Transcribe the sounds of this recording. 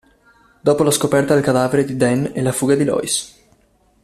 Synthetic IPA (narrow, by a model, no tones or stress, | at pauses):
d̪ɔpolaskopɛɾt̪ad̪elkad̪aːveɾed̪id̪ɛnelafuɡad̪ilɔ̰js